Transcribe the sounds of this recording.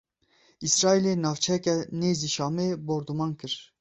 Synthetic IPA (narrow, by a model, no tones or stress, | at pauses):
isɾɑːilenɑːvt͡ʃʰɛkɛneːziʃɑːmeboɾd̪umɑːnkɨɾ